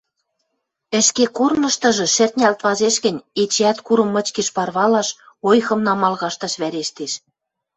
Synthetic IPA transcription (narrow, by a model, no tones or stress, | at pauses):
ɘ̆ʃkekornɤ̆ʃt̪ɤ̆ʒɤ̆ʃɘ̆rt̪ʲnʲælt̪βɑzeʃɣɘ̆nʲet͡ɕeæt̪kuɾɤ̆mːɤ̆t͡ɕkeʃpɑrβɑlɑʃ | ojxɤ̆mnɑmɑlɣɑʃt̪ɑʃβæɾeʃt̪eʃ